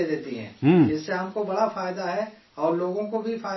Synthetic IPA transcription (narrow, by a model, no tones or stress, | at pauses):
ed̪eːt̪iɦɛ̰̃ːɦːɪsːeɦɐmkobɐɽafaːjd̪aɦɛ | ɔːɾloːɡõkobʱifaː